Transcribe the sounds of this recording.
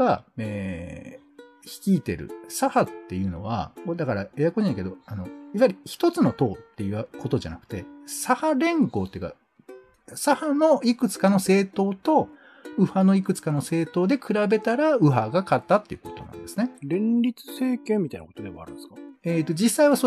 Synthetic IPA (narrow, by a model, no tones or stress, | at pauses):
aeː | çi̥kʲiːt̪e̞̰ɾɯ̟̰sahat̪ːe̞jɯ̟ːno̞̰β̞a̰kod̪akaɾaejakoɕinẽke̞d̪o̞ano̞jaβaɾʲiçi̥t̪o̞t͡sɨno̞t̪o̞ːt̪ːe̞jɯ̟ako̞t̪o̞ʑa̰nakɯ̟̥t̪e̞sahaɾẽ̞ŋɡo̞ːt̪ːeiɯka̰ | sahano̞ikɯ̟t͡sɨ̥kano̞se̞ːt̪o̞ːt̪o̞ | ɯ̟hano̞ikɯ̟t͡sɨ̥kano̞se̞ːt̪o̞ːd̪e̞kʰɯ̟ɾabe̞t̪aɾaɯ̟ɦaɡakat̪ːat̪ːe̞jɯ̟ko̞t̪o̞̰nã̰nd̪sɨneɾẽ̞nɾʲit͡sɨ̥se̞ːkẽmʲːit̪aijna̰kot̪od̪e̞βa̰a̰ɾɯ̟̃neskaeːt̪ːo̞d͡ʑisːaiβaso